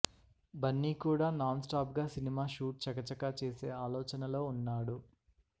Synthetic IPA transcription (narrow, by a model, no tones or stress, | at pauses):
bɐnːiːkuːɽaːnaːnsʈaːpɡaːsinimaːʃuːʈ̚t͡ʃɐkɐt͡ʃɐkaːt͡ʃeːseːaːlɔːt͡ʃɐnɐlo̞ːunːaːɽu